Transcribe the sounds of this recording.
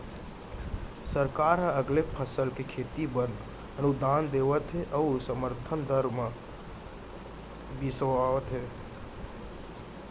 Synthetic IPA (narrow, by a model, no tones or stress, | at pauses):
səɾkaɾɦə̃əɡlepʰəsəlkekʰet̪ibən | ənud̪and̪eʋət̪ɦɛʔəusəməɾt̪ʰənd̪əɾmẽ | bisʋaət̪ɦɛ